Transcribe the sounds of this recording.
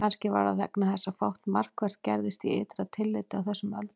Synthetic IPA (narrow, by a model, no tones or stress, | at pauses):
anscɪva̰ɾaðɛknaθɛsːafowht̪mar̥kvɛr̥t̪̚cɛɾðɪst̪iḛːt̪ɾaðt̪ʰɪlːɪːt̪ɪawθɛsːʏmœ̰lt̪